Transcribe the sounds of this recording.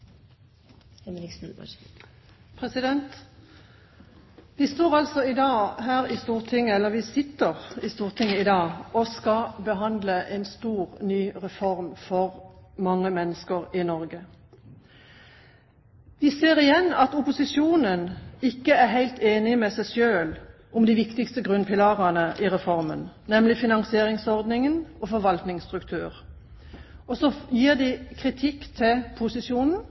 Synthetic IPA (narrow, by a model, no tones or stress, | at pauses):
pʰʁɛsɪd̪ɛnt̪ | ʋɪst̪oːʁɑlsɔɪd̪ɑːhæːʁɪst̪uːʁt̪ʰɪŋːəɛlːəʋɪsɪt̪ːəʁɪst̪uːʁt̪ʰɪŋːəɪd̪ɑːɔskɑbəɦɑnd̪ləʔɛɪnst̪uːʁnyːʁɛfɔʁmfɔʁmɑŋːəmɛnːəskəʁɪnɔʁɡə | ʋ̪ɪseːʁɪjɛnːɑt̪ʊpʊsɪʃuːnənɪkːəæʁɦæɪlt̪ʰeːnɪmɛsæɪʃøːl | ʔʊmd̪ɪʋɪkt̪ɪkst̪əɡʁʉnpɪlɑʁɑnəʔɪʁɛfɔʁmə̰nnɛmlɪfɪnɑŋsɪeːʁɪŋsɔʁd̪nɪŋənɔfɔʁʋɑlt̪nɪŋst̪ʁʉkt̪ʰʉ̰ːʁ | ɔsɔjiːʁd̪ɪkʰʁɪt̪ʰɪkːt̪ʰɪlpʰʊsɪsjuːnn̩